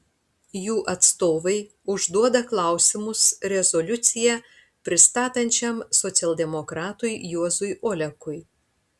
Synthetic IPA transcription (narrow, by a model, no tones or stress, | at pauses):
juːʔɐt̪st̪oːʋɐɪ | ʊʒd̪uɔd̪ɐklˠɑˑʊsʲɪmʊsɾʲɛzɔlʲʊt̪sʲɪjɛ | pʲɾʲɪst̪ɑːt̪ɐnʲt͡ʃʲɛmsɔt̪sʲɛlˠʲd̪ʲɛmɔkɾɑːt̪ʊɪjuɔzʊjʔoːlʲɛkʊj